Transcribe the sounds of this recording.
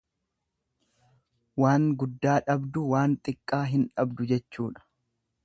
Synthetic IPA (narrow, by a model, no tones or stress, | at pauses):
waːŋɡʊd̪ːaːᶑɐbd̪ʊwaːnt̪ʼɪkʼːaːɦɪnᶑɐbd̪ʊd͡ʒɛt͡ʃːuːᶑɐ̥